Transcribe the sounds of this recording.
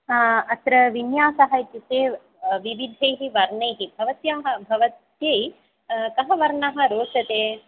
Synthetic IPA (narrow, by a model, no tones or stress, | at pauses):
ɐt̪ɾɐʋinjaːsɐɦɐjt̪it̪eː | ʋiʋid̪ʱɐjɦiʋɐɾɳɐjɦibʱɐʋɐt̪jaɦɐ̆bʱɐʋɐt̪jɐj | kɐɦɐʋɐɾɳɐɦɐ̆ɾoːsɐt̪eː